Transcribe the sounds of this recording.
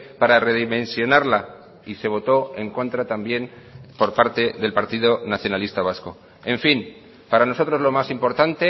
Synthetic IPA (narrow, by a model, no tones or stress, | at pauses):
paɾare̞ðimẽ̞nsjo̞naɾla | ise̞β̞o̞t̪o̞e̞ŋko̞nt̪ɾat̪ambje̞n | po̞ɾpaɾt̪e̞ðe̞lpaɾt̪iðo̞naθjo̞nalist̪aβ̞asko̞ | e̞ɱfin | paɾano̞so̞t̪ɾo̞zlo̞masimpo̞ɾt̪ant̪e̞